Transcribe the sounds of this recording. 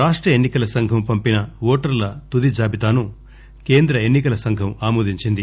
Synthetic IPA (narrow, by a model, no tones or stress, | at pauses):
aːʂʈɾɐenːikɐlɐsɐŋɡʱɐmpɐmpinɐʋoːʈɐɾlɐt̪ud̪id͡ʒaːbit̪aːnu | ke̞ːnd̪ɾɐenːikɐlɐsɐŋɡʱɐmaːmuːd̪iɲt͡ʃind̪i